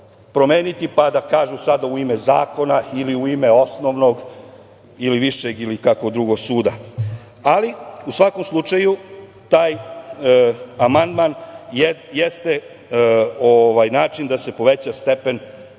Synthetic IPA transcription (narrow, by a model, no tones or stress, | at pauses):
pɾo̞meːnit̪ipad̪akaːʒusad̪auime̞za̰ːko̞nailiuime̞o̞snoʋno̞ɡ | iliʋiʃeɡilikako̞d̪ɾuɡo̞ɡsuːd̪a | aliusʋakomslˠut͡ʃaju | t̪aːj | amand̪manjjest̪e | oʋajnaːt͡ʃind̪ase̞po̞ʋet͡ɕast̪e̞pe̞n